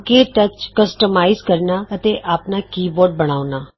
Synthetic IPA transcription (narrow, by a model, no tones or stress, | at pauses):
keːʈət͡ʃkəsʈəmaːizkəɾnaːət̪eːʔaːpnaːkiːbɔːɾɖ̚bəɽ̃aːʊnaː